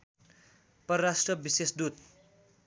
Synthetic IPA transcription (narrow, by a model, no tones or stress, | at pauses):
pʌɾʌɾasʈrʌbisesd̪ut̪